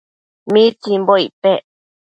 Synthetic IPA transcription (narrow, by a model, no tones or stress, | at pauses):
mĩt͡simboipe